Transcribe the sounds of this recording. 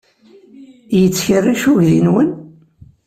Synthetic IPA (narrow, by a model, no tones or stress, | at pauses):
jət͡sːçərːiʃuʝðinwən